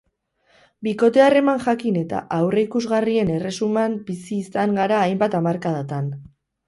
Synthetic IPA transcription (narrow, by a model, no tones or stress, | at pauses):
biko̞t̪e̞are̞maŋʝakine̞t̪a̰ʔawre̞ikuzɣarie̞ne̞re̞sumambisiːsaŋɡaɾaːjmbat̪amaɾkað̞at̪an